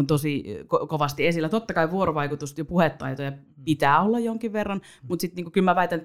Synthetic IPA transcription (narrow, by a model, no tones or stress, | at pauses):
nt̪osikokoʋɑst̪iesilːˑæt̪ot̪ːɑkɑiʋuoɾoʋɑikut̪ust̪jopuhet̪ːɑ̰it̪ojɑ | pit̪æːolːɑjjoŋkiʋʋerːɑn | mut̪sit̪niːŋkukylmæʋæit̪æn